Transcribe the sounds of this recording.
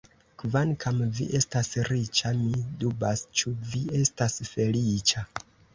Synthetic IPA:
kvankʰamvḭʔe̞stasɾit͡ʃamidubast͡ʃuvie̞stasfe̞lit͡ʃa

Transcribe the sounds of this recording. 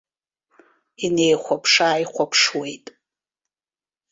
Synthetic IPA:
inejχʷapʰʂaːjχʷapʰʂwe̞jtʼ

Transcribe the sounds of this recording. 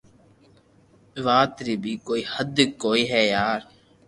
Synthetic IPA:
ʋaːt̪ɾiːbʱiːkoːiːhəd̪ʱkoːiːɦɛːjaːɾ

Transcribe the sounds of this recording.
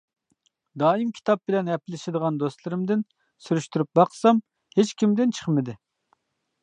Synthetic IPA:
d̪ɑːimkʲʰi̥t̪ʰɑp̚bɪlɛnɛpɪlɪʃɪd̪əʁɑnd̪ost̪lˠɨɾɪmd̪ɪn | syɾyʃt̪yɾyp̚bɑqʰsɑm | het͡ʃkʲimd̪ɪnt͡ʃʰə̥χmɪd̪ɪ

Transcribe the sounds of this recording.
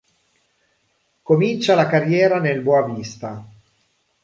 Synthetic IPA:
komint͡ʃalakarjɛːɾanelbɔavist̪a

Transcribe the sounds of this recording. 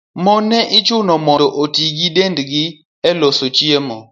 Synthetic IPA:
mɔnɛʔit͡ʃunɔmɔoʔotikidendiɡi | ɛlosot͡ʃiemɔ

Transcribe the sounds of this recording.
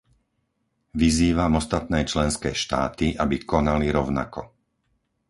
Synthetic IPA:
ʋiziːʋamɔst̪at̪̚nɛːt͡ʃlɛnskɛjʃt̪aːt̪iʔabikɔnaliɾɔʊna̰kɔ

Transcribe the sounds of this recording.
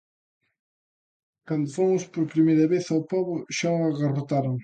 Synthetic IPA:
kand̪ʊfomʊspoɾpɾimejɾɐβeθawpɔβʊʃaoaɣarot̪aɾoŋ

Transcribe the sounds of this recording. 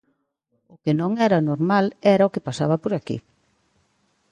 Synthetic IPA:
ʊkɪnõŋɛɾɐnoɾmalɛɾaokɪpasaβɐpoɾakḭ

